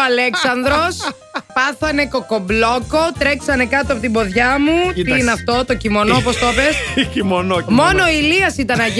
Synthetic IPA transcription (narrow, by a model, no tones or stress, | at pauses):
ɐleksɐnðɾo̞s | pɐθɐne̞ko̞ko̞blo̞ko̞t̪ɾe̞ksɐne̞kɐt̪oɐpot̪ibo̞ðʝɐmuneɐft̪o̞t̪ocimo̞noopost̪opescimonmono̞iliɐsit̪ɐnɐʝ